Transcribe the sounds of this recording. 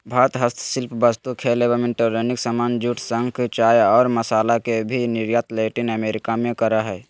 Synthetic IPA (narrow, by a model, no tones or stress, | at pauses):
bʱaːɾət̪ɦəst̪ʰsɪlpʰbəst̪ukʰelebəmẽɳʈəɾenɪksəmaːnd͡ʒuʈʰsə̃ŋkʰt͡ʃaːjɔːɾməsaːlakebʱinɪɾjat̪leːʈɪnəmeːɾɪkamẽkəɾaɦɛː